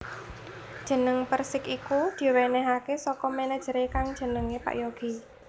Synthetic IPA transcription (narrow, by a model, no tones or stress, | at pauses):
d̥ʒ̥ə̤nəŋpərsɪkikud̪̥i̤wenɛɦakesɔkɔmɛnɛd̥ʒ̥əɾekaŋd̥ʒ̥ə̤nəŋepa̰ʔjoɡ̥i̤